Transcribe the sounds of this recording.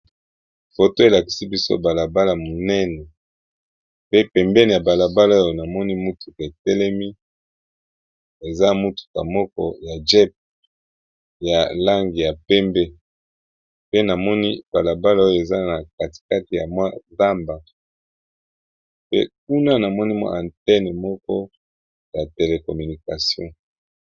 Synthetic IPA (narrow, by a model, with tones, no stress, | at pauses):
fo˨to˦e˨la˨ki̥˨si˦bi˦so̰˦ba˨la˨ba˦la˨mo˨nɛ˦nɛ˨ | pe˦pɛ˨mbɛ˦ni˨ja˨ba˨la˨ba˦la˦o˦jo˨na˨mɔ˦ni˦mu˦tʰu̥˨ka˨e˨tɛ˦lɛ˦mi˦ | e˨za˦mu˦tu̥˨ka̰˨mɔ˦kɔ̰˦ja˨d͡ʒɛ˦p̚ | ja˨la˦ŋɡi˨ja˨pɛ˦mbe˦ | pe˦na˨mɔ˦ni˦b̥a˨la˨ba˦la˦o˦jo˨e˨za˦na˨ka˨ti̥˨ka˦ti˨ja̰˨mwa˦za˦mba˨ | pḛ˦k̚u˦na˦na˨mɔ˦ni˦ma̰˦ʔa̰˨ntɛ˦ne˨mɔ˦kɔ˦ | ja˨te˨le˨kɔ˨my˨ni˨ka˨sjɔ̰̃˦